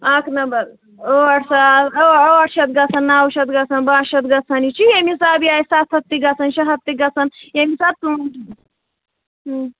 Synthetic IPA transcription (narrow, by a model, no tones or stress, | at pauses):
aknɐbɐl | oɐʈsaoɐʈʃɐt̪̚ɡɐt͡sʰɐnːaːwuʃɐt̪ɡɐt͡sʰɐnbaːʃɐt̪̚ɡɐt͡sʰɐnit͡ʃʰijemisaːbiaːisat̪ʰɐt̪ːiɡɐt͡sʰɐnʃɐɦɐt̪ːiɡɐt͡sʰɐnjemisat̪̚ːu